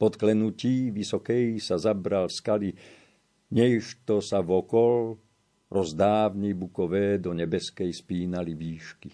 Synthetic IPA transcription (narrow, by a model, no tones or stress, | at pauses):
pɔt̪klɛnuciːʋisɔkɛjsazabɾalskali | ɲɛiʃt̪ɔsavɔkɔl | ɾʔɔzd̪aːʋɲɛbukɔʋɛːd̪ɔɲɛbɛskɛjspiːnaliʋiːʃki